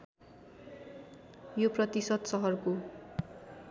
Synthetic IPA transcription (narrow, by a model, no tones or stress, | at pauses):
joprʌt̪isʌd̪sʌɦʌrko